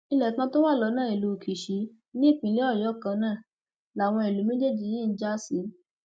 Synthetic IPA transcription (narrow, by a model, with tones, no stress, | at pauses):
i˧lɛ˨kã˧˦to˦wa˦˨lɔ˧˦nãː˦˨e˨lu˧˨kʰi˨ʃi˨˦ | nĩ˦˨k͡pĩ˧˨li˨˦ɔ˦˨jɔ˨˦kã˧nãː˦˨ | la˨w̃ɔ̃˧e˨lu˨˦mẽ˦d͡ʒe˦d͡ʒi˨˧˨ji˦n̩˦d͡ʒa˦si˨˦